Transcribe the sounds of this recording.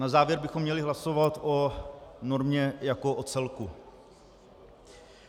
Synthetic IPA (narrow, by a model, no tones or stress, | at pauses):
nazaːvjɛɾbɪxomːɲɛlɪɦlaso̞vat̪ʔonoɾmɲɛjako̞ʔot͡sɛlku